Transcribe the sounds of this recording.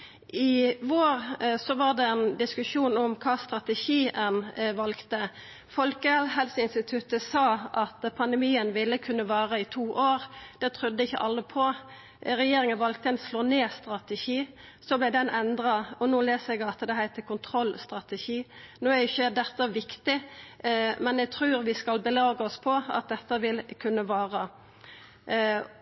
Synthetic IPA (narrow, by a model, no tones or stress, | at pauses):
ɪʋoːɾsɔʋɑːʁd̪ɛɛnd̪ɪskʉʃuːnɔmkʰɑːst̪ɾɑt̪ɛʃiːʔɛnʋɑlkt̪ə | fɔlkəɦɛlsəɪnst̪ɪt̪ʰʉt̪əsɑːʔɑt̪pʰɑnd̪ɛmiːənʋɪlːəkʰʉnːəʋɑːʁəɪt̪ʰuːʔoːʁd̪̥ɛt̪ʰʁʉd̪ːəɪçːə̰ʔɑlːəpʰɔ | ɾɛjeːɾɪŋənʋɑlk̚t̪əɛnsloːneːst̪ʁɑt̪əʃiː | sɔblæd̪ɛnʔɛnd̪ʁɑɔnuːleːsəɛɡɑlt̪ːəd̪ɛhæɪt̪ʰːəkʰʊnt̪ʰʁɔlst̪ʁɑt̪ɛʃiːnoːæɪçːəd̪ɛt̪ːəʋɪkt̪ɪ | mɛnɛɡ̚t̪ʰɾʉːɾʋɪskɑlbəlɑːɡəɔspʰɔɑ̰t̪̚d̪ɛt̪ːəʋɪlkʰʉnːəʋɑːʁə